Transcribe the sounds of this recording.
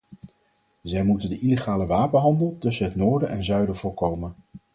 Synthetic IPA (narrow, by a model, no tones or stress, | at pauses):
zɛjmutəndəʔileχaːləʋaːpənɦɑndəlˠtɵsənɦətnʊːɹdəʔɛnzœɥdəv̥ʊːɹkowmən